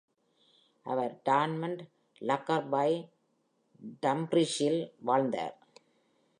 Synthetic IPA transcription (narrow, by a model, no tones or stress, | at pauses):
ʔɐʋɐɾɖaːnmɐɳɖ | lɐkːɐɾbaɪ | ɖɐmbɾɪʃɪlʋaːɭnd̪a̰ːɾ